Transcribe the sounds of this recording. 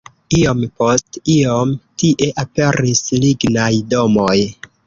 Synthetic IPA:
io̞mpo̞stiomtiʔe̞ʔape̞ɾisliɡnajdo̞moj

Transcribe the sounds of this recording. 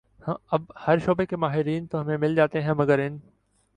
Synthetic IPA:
hɐb̚hɐɾʃoːbekemaːɦɪɾiːnt̪oɦɐmẽmɪld͡ʒaːt̪eɦɛ̃mɐɡəɾɪn

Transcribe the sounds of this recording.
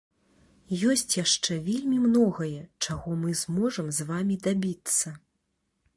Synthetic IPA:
jɔsʲt͡sʲjaʂt͡ʂɛvʲelʲmʲimnɔɣɐjɛt͡ʂaɣɔmɨzmɔʐɐmzvamʲid̪abʲit̪sːɐ

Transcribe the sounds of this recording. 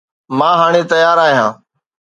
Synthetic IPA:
mãːɦaːɽ̃eːt̪əjaːɾaːɦijãː

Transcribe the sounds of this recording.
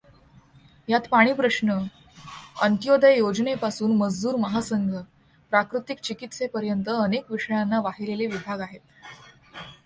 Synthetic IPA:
jat̪paɽ̃iːpɾəɕnə | ənt̪jod̪ʱəjjod͡ʑnepasuːnməd͡zd̪uːɾməɦasəŋɡʱə | pɾakɾut̪ik̚t͡ɕikit̪sepəɾjənt̪əːnekʋiʂəjanːaʋaɦileleʋibʱaɡaɦet̪̚

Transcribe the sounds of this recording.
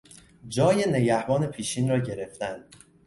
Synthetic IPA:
d͡ʒɒːjene̞ɟæhbɒːne̞pʰiːʃiːnrɒːɟe̞ɾe̞ft̪ænd̪̥

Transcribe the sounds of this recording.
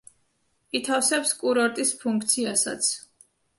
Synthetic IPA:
it̪ʰafsɛpskʼuɾɔɾt̪ʼispʰũŋkʰt̪sʰiasa̰t̪sʰ

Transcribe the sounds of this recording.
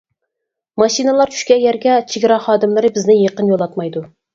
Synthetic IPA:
mɑʃinɨlˠɑɾt͡ʃʰy̥ʃkʲɛjɛɾɡʲɛt͡ʃʰeɡʲɾɑχɑːd̪ɨmlˠɨɾɨbɪznɪjeqənjolˠɑt̪mɑjd̪u

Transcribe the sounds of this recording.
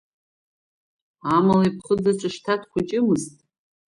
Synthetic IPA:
amalaipʰχəd͡zat͡ʃʷʼɨʂtʰatʰkʷat͡ʃʼɪmɨztʼ

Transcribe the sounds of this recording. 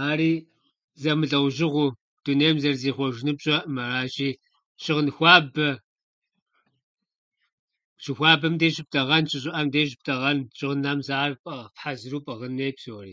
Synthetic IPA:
aːɾiː | zɐmɨɮɐwʒɪʁʷu | d̥uneːmzɐrzeːχʷɔʒɪnɨpɕʼɐmɐraːt͡ʃʼiː | ʃɪʁnxʷɑːbɐ | t͡ʃɪxʷaːbɐmdeːɕɪp̚tʰɐʁɐnt͡ʃʼɪɕʼʊʔɐmdeːɕ̬ʼɪp̚tʰʼɐʁɐnt͡ʃʼɪʁnɐmzaːrpʼɐpħazɨɾuːpʼɐʁɐneːjpsoːrḭː

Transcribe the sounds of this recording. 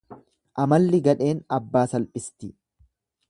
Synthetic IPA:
ʔɐmɐlːɪɡɐᶑe̞ːnɐbːaːsɐlpʼɪst̪ɪ

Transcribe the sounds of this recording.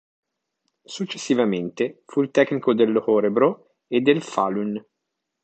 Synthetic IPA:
sut͡ʃːesːivament̪efuilt̪ɛknikod̪elːohɔɾebɾo | ed̪ːelfalun

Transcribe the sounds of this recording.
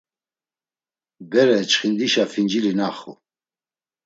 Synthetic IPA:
bɛɾɛt͡ʃχind̪iʃafind͡ʒilinaχṵ

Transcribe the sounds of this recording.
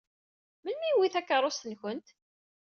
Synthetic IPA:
məlmiwiθækːəɾˤost̪ənçənt̪

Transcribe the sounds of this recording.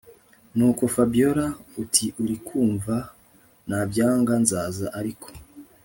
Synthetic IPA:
nuːko̞fabijo̞ɾautʰiʔuɾikʰuːɱva | nabjaːŋɡanzaːzaʔaɾikʰo̥

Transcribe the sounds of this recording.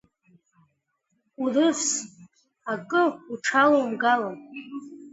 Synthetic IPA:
urɨfs | akʼɨuʈ͡ʂʰalowmɡala

